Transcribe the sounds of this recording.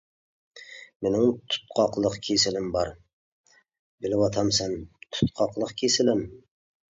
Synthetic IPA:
menɪŋt̪ʰʊ̥t̪̚qʰɑqlˠɨqkʲʰesɪlɪmbɑɾ | bɪlɪwɑt̪ʰɑmsant̪ʰʊ̥t̪qʰɑqlˠəqkʲʰesɪlɪm

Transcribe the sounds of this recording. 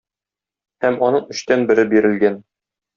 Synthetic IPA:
hæmɒnɤɴɵ̆ɕt̪ænbɘ̆ɾɘbiɾɘ̆lɡæn

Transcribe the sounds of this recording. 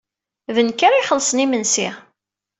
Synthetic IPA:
ðənkːaɾajχəlːsˤənimənsiʁ

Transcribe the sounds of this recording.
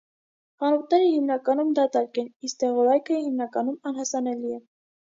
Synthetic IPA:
χɑnut̪̚nɛɾəhimnɑkɑnumd̪ɑt̪ɑɾkɛnist̪ɛʁɔɾɑjkʰəhimnɑkɑnumɑnɦɑsɑnɛliɛ

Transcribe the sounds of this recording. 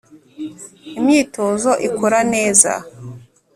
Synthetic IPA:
imɲiːtozo̞ʔikʰoɾane̞ːza̰

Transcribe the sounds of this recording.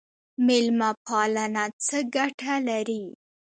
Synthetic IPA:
mɪlmapɑlanat͡səɡaʈʰalaɾi

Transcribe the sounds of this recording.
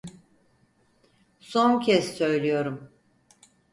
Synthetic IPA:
so̞ncʰɛssø̞jlʲijo̞ɾum

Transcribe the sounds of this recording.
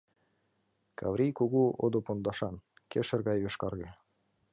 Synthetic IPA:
kʰɑ̰vɾʲijkuɣuod̪opond̪ɑʃɑn | keʃɘ̆rɣɑjβeʃkɑrɣe

